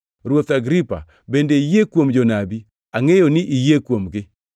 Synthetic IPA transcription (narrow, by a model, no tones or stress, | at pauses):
rwot̪aɡɾipa̰ | bendeijekwomd͡ʒonabi | aŋejonɪʔijekwomɡɪ